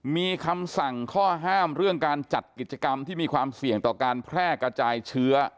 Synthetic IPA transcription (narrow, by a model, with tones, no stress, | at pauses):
miː˧kʰa˧msa˨˩ŋkʰɔː˥˩ɦaː˥˩mɾɯ˥˩əŋkaː˧nt͡ɕa˨˩t̪̚ki˨˩t̪̚t͡ɕa˧ka˧mt̪ʰiː˥˩miː˧kʰwaː˧msi˨˩əŋt̪ɔː˨˩kaː˧npʰɾɛː˥˩kɾa˧t͡ɕaː˧jt͡ɕʰɯ˦˥ɐ